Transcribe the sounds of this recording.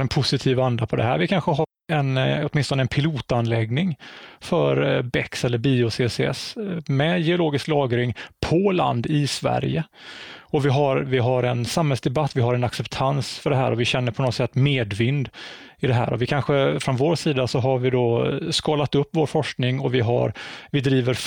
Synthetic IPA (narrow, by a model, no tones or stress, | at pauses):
ɛnpʰʊsɪt̪ʰiːvand̪apʰɔd̪ɛɦæ̰ːɾvɪkʰanɧəɦaɾ | ɛnɔt̪mɪnst̪ɔnəɛnpʰɪluːt̪anlɛɡnɪŋfœ̰ɾbɛksɛlːəɾbiːʊsesɛ̰smɛjɛʊloːɡɪsklɑːɡɾɪŋpʰɔla̰nd̪ɪsvæ̰ɾjəɔvɪɦaɾvɪɦaɾɛnsamhɛlsd̪ɛbat̪ːvɪɦaɾɛnaksɛpt̪ʰansfœɖɛɦæ̰ːɾɔvɪɕɛnːəɾpʰɔnɔt̪sɛt̪ːmeːd̪vɪnd̪ɪd̪ɛɦæ̰ːɾɔvɪkʰanɧəfɾɔnvoːɾsiːd̪asɔɦaɾvɪd̪ɔskɑːlat̪ɵpːvoːɾfɔʂknɪŋɔvɪɦa̰ɾvɪd̪ɾiːvəɾ